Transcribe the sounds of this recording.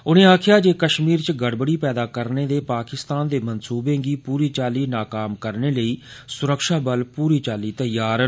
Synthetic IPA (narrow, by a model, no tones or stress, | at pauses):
ʊnẽːaːkʰɪjaːd͡ʒeːkəʃmiːɾt͡ʃɡəɽbəɽiːpɛːd̪aːkəɾneːd̪eːpaːkɪst̪aːnd̪eːmənsuːbẽːɡiːpuːɾiːt͡ʃaːliːnaːkaːmkəɾneːləiːsʊɾəkʃaːbəlpuːɾiːt͡ʃaːliːt̪əjaːɾə